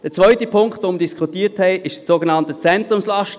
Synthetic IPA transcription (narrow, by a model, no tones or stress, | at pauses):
d̥ɛt͡svœʏtipʰʊŋkχtʋomdiskʰχutiːthɛɪʔɪʃssoːɡenɑntət͡sɛntʁʊmslɑʃt